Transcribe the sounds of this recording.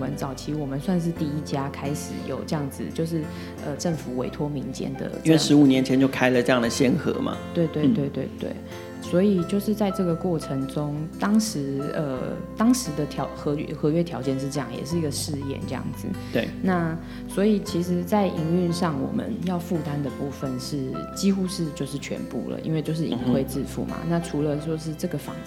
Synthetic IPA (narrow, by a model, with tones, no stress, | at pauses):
ə˧˦nt͡sɑ˨˩ʊt͡ɕʰi˧˥wɔ˨˩mə˦nswa˥˧nʂ̬ɻ̩˥˧t̪i˥˩i˥t͡ɕja˥kʰa˥ɪʂɻ̩˨˩˦jo̰˨˩ʊʈ͡ʂɤ˥˧jɑ˥˩ŋd͡z̩˨˩t͡ɕjo˥˧ʊʂ̬ɻ̩˥˩ | ə˧˩ʈ͡ʂə˥˩ŋfu˨˩˦wḛ˧˥ɪt̪ʰwɔ˥mi˧˥ŋt͡ɕjɛ̰˥˧nd̪ə̰˩˥wʂɻ̩˧˦˥u˨˩njɛ˧˦nt͡ɕʰɛ˧˦nt͡ɕjo˥˧ʊkʰa˥ɪlə˨ʈ͡ʂɤ˥˧jɑ˥˨ŋd̪ə˩ɕjɛ˥nxɤ̰˧˥mɐ̰˨t̪we˥˧ɪt̪we˥˧ɪt̪we˥˧ɪt̪we˥˧ɪt̪wḛ˥˩ɪ | swɔ˧˥i˨˩t͡ɕjo˥˧ʊʂɻ̩˥˧t͡sa˥˧ɪʈ͡ʂɤ˥˩ɡə˩kwɔ˥˩ʈ͡ʂʰə˧˥ŋʈ͡ʂʊ˦ŋt̪ɑ˥ŋʂɻ̩˧˥ə̰˧t̪ɑ˥ŋʂɻ̩˨˧˥d̪ə˧t̪ʰjɑ˧˥ʊxɤ˧˥ɥɛ̰˥˧xɤ˧˥ɥɛ˥t̪ʰjɑ˧ʊt͡ɕjɛ˥˧nʂ̬ɻ̩˥˩ʈ͡ʂɤ˥˧jɑ˥˩ŋjɛ̰˨˩ʂ̬ɻ̩˥˩i˧˥ɡə˨ʂɻ̩˥˧jɛ̰˥˨nʈ͡ʂɤ˥˧jɑ̰˥˩ŋd͡zɹ̩˨˩t̪e˩na˥˨ | swɔ˧˥i˨˩t͡ɕʰi˧˥ʂ̬ɻ̩˧˥t͡sa˥˩ɪʔi˧˥ŋy˥˧nʂɑ˥˩ŋwɔ̰˨˩mə̰˦njɑ˥˧ʊfu˥˧t̪a˦nd̪ə˨pu˥˩fə˨nʂɻ̩˥˩t͡ɕi˥xu˥ʂɻ̩˥˧t͡ɕjo˥˧ʊʂɻ̩˥˩t͡ɕʰɥɛ̰˧˥npṵ˥˩lə̰˩ʔḭ˥nwe˥˧ɪt͡ɕjo˥˧ʊʂ̬ɻ̩˥˨ḭ˨ŋxwe˥˧ɪt͡sɹɻ̩˥˧fṵ˥˩ma̰˩na˥˨ʈ͡ʂʰu˧˥lə˧t͡ɕo˥˧ʊʂ̬ɻ̩˥˧ʈ͡ʂɤ˥˩ɡə˩fɑ̰˨˩ŋ